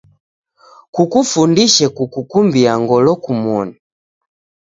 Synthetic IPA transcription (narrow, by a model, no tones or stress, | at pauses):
kukufundiʃɛkukukumbiaŋɡɔlɔkumɔni